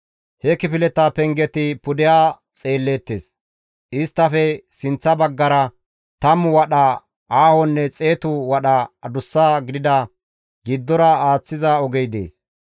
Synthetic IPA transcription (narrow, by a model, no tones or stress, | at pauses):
hɛkɪpɪlɛt̪ːapɛŋɡɛt̪ɪpʊd̪ɪjaː | t͡sʼe̞ːlːeːt̪ːḛːs | ɪst̪ːɐfɛsɪnt͡sːɐbɐɡːɐɾɐ | t̪ɐmwɐɗa | ʔaːhɔnːɛt͡sʼe̞ːt̪ʊwɐɗɐɐd̪ʊsːaːɡɪd̪ɪd̪ɐ | ɡɪd̪ːɔɾɐaːt͡sːɪzɐɔɡɛjd̪ḛːs